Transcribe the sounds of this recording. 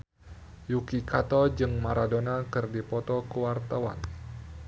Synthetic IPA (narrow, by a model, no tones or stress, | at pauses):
jukikat̪ɔd͡ʒɨŋmaɾadonakɨrdipɔt̪ɔkəwart̪awa̰n